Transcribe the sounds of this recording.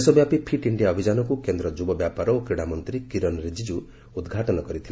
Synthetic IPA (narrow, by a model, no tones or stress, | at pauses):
sɔbjapipʰiʈiɳɖijaɔbʱid͡ʒanɔkukend̪ɾɔd͡ʒubɔbjapaɾɔokɾiɽamɔnt̪ɾikiɾɔnɾed͡ʒid͡ʒu | ud̪ɡʱaʈɔnɔkɔɾit̪ʰil